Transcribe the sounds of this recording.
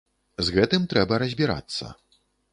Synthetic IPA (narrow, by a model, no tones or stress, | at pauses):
zɣɛt̪ɨmt̪ɾɛbɐɾɐzʲbʲiɾa̰t̪sːɐ̰